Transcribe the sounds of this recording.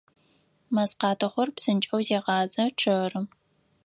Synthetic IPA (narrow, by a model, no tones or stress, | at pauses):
mɐsqɑːtʰɐχʷɔrpsɨnt͡ʃʼɐwzeːʁɑːzɐʈ͡ʂʰɐrɨ